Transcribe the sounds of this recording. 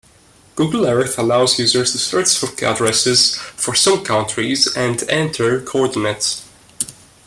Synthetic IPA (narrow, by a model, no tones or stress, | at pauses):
ɡ̥uɡəl̩ˠɛɹθəlaʊzjʉzə˞z̥tustəɹtsɔftæ̰dɹɛsɪz̥fə˞sʌ̃mkʰãntʰɹizæ̃ndɛ̃ntʰə˞kʰoɔɹdɪnets